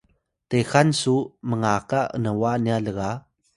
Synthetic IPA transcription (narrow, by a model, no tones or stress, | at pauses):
texansuməŋakaʔə̰nəwanialəɣa